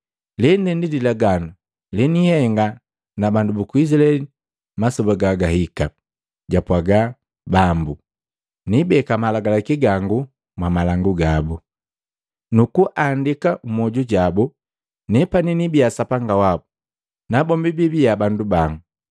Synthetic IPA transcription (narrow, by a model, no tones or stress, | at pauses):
lɛndɛndidilaɡanu | linihɛŋɡa | nabandubukuizilɛ | masɔbaɡaɡahika | ɟapwaɡa | bambu | nibɛkamalaɡalakiɡaŋɡu | mwamalaŋɡuɡabu | nukuʔandikaumɔɟuɟabu | nɛpaninibiasapaŋɡawabu | nabɔmbibibiabandubaŋɡu